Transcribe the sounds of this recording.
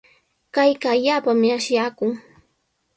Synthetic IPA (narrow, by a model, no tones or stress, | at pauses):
kajkaːʎaːpamɪaʃjaːkʊŋ